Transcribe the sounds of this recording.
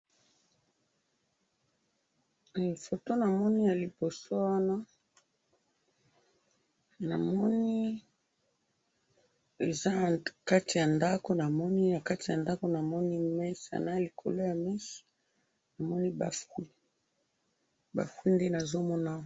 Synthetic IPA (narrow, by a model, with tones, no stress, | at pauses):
fo˨to˦na˨mɔ˦ni˦ja˨li˨bo˨so˦wa˦na˦ | na˨mɔ˦ni˦ | e˨za˦˨ka˦ti˨ja˨nda˦ko˨na˨mɔ˦ni˦na˨ka˦ti˨ja˨nda˦ko˨na˨mɔ˦ni˦mɛ˦sa̰˨na˦˨li˨kʰo˨lo˦ja˨mi˦si̥˨ | na˨mɔ˦ni˦ba˨fu˦i˦ | ba̰˨fwu˦i˦nde˦na˨zo˦mɔ˦na˦